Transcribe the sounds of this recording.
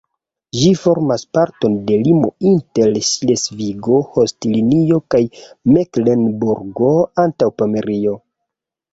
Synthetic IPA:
ʒifo̞ɾmaspaɾto̞nde̞limo̞̰intelslesviɡo̞hostilinio̞kajmeklenbuɾɡoantawpomeɾio̞

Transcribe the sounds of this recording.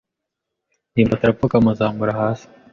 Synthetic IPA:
niːmbat̪aɾapokamuzaːmbuɾaɦaːsi̥

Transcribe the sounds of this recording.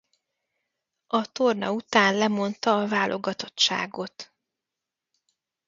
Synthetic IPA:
ɒt̪ornɒ̰ut̪aːnlɛmo̞nt̪ɒːvaːlʔoɡɒt̪o̞t͡ʃt͡ʃːa̰ːɡo̞t̪

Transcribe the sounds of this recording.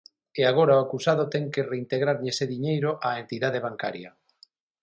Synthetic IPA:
eaɣ̞oɾaoakusaðot̪ɛŋkereint̪eɣɾaɾɲeseðiɲejɾoʔaent̪iðaðeβaŋka̰ɾjɐ

